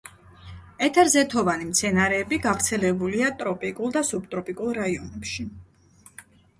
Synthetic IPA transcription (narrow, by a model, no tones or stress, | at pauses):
ɛt̪ʰɛɾzɛt̪ʰɔvanimt̪sʰɛnaɾɛːbiɡavɾt̪sʰɛlɛbuliat̪ʼɾɔpʼikʼulˠd̪asubt̪ʼɾɔpʼikʼulˠɾaiɔnɛpʃi